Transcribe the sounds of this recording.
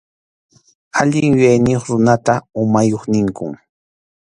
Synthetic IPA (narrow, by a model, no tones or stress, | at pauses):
aʎɪŋjʊjajnɪjoχɾʊnat̪aʊmajoχnɪŋkʊŋ